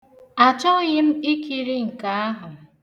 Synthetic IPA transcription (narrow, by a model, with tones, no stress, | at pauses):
a˨t͡ʃɔ˦ɣɪ˦m̩˦i˦ki˨ɾi˦ŋ̩˨ka˨˦a˦ɦʊ˨